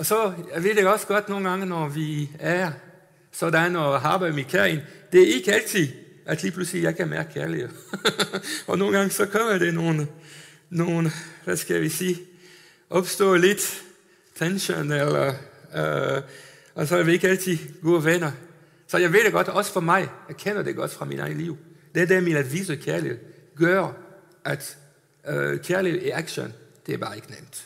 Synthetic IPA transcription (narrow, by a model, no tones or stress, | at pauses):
ɒ̽sɒjæɪʋe̝ðˠd̥eɒ̽səɡ̥ɒd̥no̝ːn̩ɡ̥ɑ̈ŋənɒʋiæɐ | sɒ̽dænɒɦɑ̈ːb̥ɪdmi̥kʰæɐind̥eæɐe̝ɡ̥əælt͡sʰiðˠ | ʔæd̥liːpʰluslijɑɪɡæmæɐɡ̥ʰæɐli | ɒ̽no̝ːn̩ɡ̥ɑ̈ŋəsɒ̽kʰɒmɐd̥eno̝ːnː | o̝ːnʋæskæʋisiː | ʔɒ̽b̥sd̥ɔ̰ːled̥ | t̪ʰɛnʃə̰nelɐ̰ø | ɔsɔæʋeɪkəælt̪ʰiɡ̥o̝ːʋenɐ | sɔjaɪʋed̥̪eɡɔd̥ɔsfɒmɑɪjaɪkʰɛnəd̪eɡɔd̥fʁɑmḭnɑ̰ɪnliʊ | d̪̥ed̪ɛɐminæʋiːsəkʰæɐlḭ | ɡ̥œː | ʔæt̪ | økʰæɐliæækʃə̰nd̥eæbɑ̰ːeɡ̥nɛmt̪